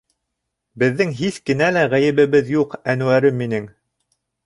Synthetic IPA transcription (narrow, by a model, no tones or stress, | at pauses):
bɘ̆ðːɘŋɦiθkɘ̆nælæʁæjɘ̆βɘ̆βɘðjuqænuwæɾɘmːinɘŋ